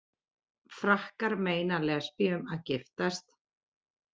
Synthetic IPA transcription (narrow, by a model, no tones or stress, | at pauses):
fɾahkaɾmeːjnalɛspiʏmaðcɪft̪ast̪